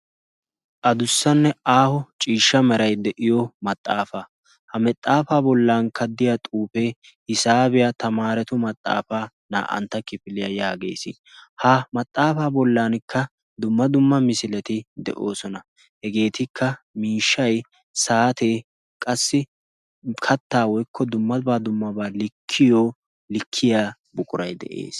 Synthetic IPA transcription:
ʔɐd̪ʊsːɐnːɛaːhɔt͡ʃʼiːʃːɐmɛɾɐjd̪ɛʔɪjɔmɐt̪ʼːaːfa | hɐmɛt̪ʼːaːfaːbɔlːaːnkʰɐd̪ːɪjat̪ʼuːpe̞ː | ɪsaːbɪjat̪ɐmaːɾɛt̪ʊmɐt̪ʼːa̰ːfaː | na̰ːʔɐ̰nt̪ːɐkɪfɪlɪjɐjaːɡḛːsɪ̰ | haːmɐt̪ʼːaːfaːbɔlːaːnkʰːɐ | d̪ʊmːɐd̪ʊmːɐmɪsɪlɛt̪ɪd̪ɛ̰ʔo̞̰ːsɔnɐ | hɛɡe̞ːt̪ɪkʰːɐ | miːʃːɐj | saːt̪eː | kʼɐsːɪ | kʰɐt̪ːaːwɔjkʰːɔd̪ʊmːɐbaːd̪ʊmːɐbaːlɪkʰːɪjoː | lɪkʰːɪjaː | bʊkʼʊɾɐjd̪ɛ̰ʔḛːs

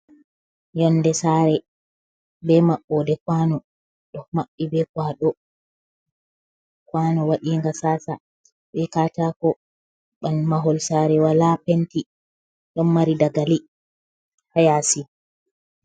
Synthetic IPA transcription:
jɔnːdɛsaːɾɛ | bɛmaɓːɔdɛkwanɔ | ɗɔmaɓːibɛkwaːɗɔ | kwaːnɔwaɗiːŋɡasaːsa | ɓɛkaːtakɔ | ɓanmaɦɔlsaɾɛwalapenti | ɗɔnmaɾidaɡali | hajaːsi

